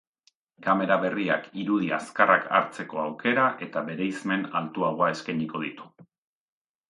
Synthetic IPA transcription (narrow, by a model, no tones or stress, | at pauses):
kame̞ɾaβe̞ria̰kiɾuð̞ia̰skaraka̰ɾt͡se̞ko̞awke̞ɾaʔe̞t̪aβe̞ɾe̞jzme̞na̰lt̪uaɣoae̞skaɲiko̞ð̞it̪u̥